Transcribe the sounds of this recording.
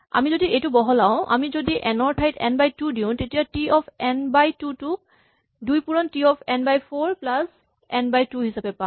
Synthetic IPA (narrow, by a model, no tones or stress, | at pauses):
a̰mizodiejtʊbɔɦɔlaʊ̃ʔa̰mizodiʔɛnɔɹtʰajtɛ̰nbajtudiʊ̃tetijatiɔpʰɛnbajtutuk̚ | dujpuɹɔntiɔpʰɛnbajpʰoɹplas | ɛnbajtuɦisapɛpã